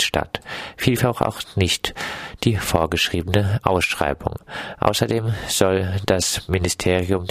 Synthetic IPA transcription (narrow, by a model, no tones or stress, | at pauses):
ʃta̰tfiːlfaχa̰ʊxnɪçtd̥iːfoːɐɡəʃʁ̥iːbənəʔa̰ʊsʃʁ̥a̰ɪbʊ̰ŋʔa̰ʊsɐdeːmz̥ɔld̥asmɪnɪstʰeːʁiʊm